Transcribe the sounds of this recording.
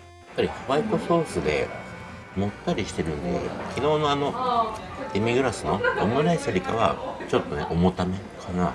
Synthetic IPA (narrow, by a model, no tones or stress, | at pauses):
jjapːaɾʲihoβait̪o̞so̞ːsɨd̪e̞̰ | mo̞t̪ːaɾʲiɕi̥t̪e̞ɾɯ̟nod̪ḛkʲino̞ːno̞ano̞ | d̪̥emʲiɡɯ̟ɾasɨno̞omɯɾaisaɾʲika̰βa̰t͡ɕo̞t̪ːo̞ne̞̰ʔomo̞t̪ame̞kʰana